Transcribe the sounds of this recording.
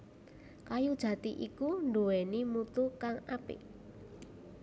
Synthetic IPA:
kajud̥ʒ̥ä̤t̪iʔikuɳɖowɛnimut̪ukaŋapɪ̰

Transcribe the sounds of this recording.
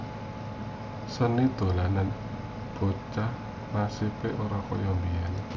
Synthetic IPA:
sənid̪̥o̤lanan | b̥ot͡ʃah | masipeʔoɾakɔjɔmbijan

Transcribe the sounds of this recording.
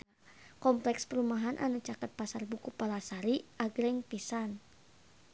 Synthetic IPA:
kɔmplɛkspəɾumaɦanʔa̰nut͡ʃakət̪̚pasarbukupalasaɾiʔaɡɾɛŋpisan

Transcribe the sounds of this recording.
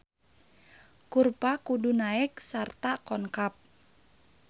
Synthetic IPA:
kurpakudunaɪksart̪akɔŋkap̚

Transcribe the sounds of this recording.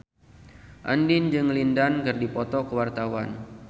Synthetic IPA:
ʔandɪnd͡ʒɨŋlindankɨrdipɔt̪ɔkəwart̪awan

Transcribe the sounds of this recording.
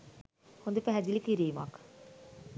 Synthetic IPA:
hund̪epɛɦɛd͡ʒilikiɾiːma̰k

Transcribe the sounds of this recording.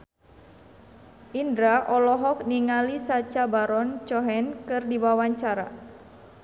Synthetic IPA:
ʔindɾaʔɔlɔɦɔk̚niŋalisat͡ʃabaɾɔnt͡ʃɔɦɛnkɨrdiwawaɲt͡ʃaɾa̰

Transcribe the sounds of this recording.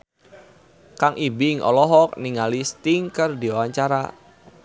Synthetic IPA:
kaŋʔibiɪŋʔɔ̰lɔɦɔk̚niŋalist̪ɪŋkərdiawaɲt͡ʃaɾa̰

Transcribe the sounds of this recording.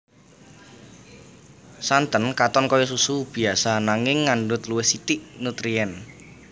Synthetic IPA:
sant̪ənkat̪ɔnkɔjɔsusub̥i̤asanaŋɪŋːaɳɖʊt̪luwɪhsit̪iʔnut̪ɾiɛn

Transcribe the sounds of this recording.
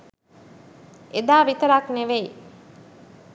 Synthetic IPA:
ʔed̪aːʋit̪əɾakneʋei

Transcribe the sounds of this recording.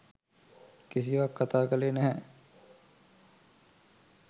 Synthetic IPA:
kis̬iʋakːat̪aːkəleːnæɦɛ

